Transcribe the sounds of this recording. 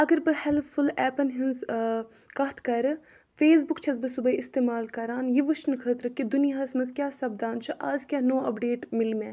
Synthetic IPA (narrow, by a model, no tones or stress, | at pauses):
ɐɡɐɾbɨhɛlfʰulɛːpɐnɦinz | kɐt̪ʰkɐɾ | feːs̬bʊkt͡ʃʰɐzbɨsubɐiɪst̪eːmaːlkɐɾaːnjiʋɐʃnɨkʰəːt̪ɾɐkːid̪unijaːsmɐzkʲjaːsɐb̚d̪aːnt͡ʃʰɐʔaːzkʲjaːnoːɐpɖeːʈmɪlmẽː